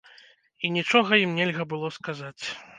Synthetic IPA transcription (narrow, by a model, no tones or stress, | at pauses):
inʲit͡ʂɔɣɐjimnʲɛlʲɣɐbɨlˠɔskazat͡sʲ